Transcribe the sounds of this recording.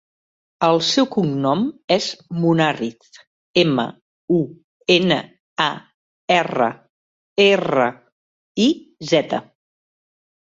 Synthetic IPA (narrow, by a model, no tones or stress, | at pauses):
əlˠsɛwkuŋnɔmezmunariθ | emə̰ | u | enə | a | erə̰ | erə̰ | izɛt̪ə